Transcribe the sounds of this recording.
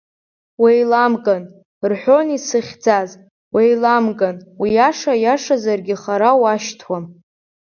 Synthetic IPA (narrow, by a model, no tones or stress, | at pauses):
wejlamkʼan | rħʷᶣonisɨχʲd͡zaz | wʔejlamkʼanwijaʂajaʂazarɡʲɪχaɾawaʃtʰwan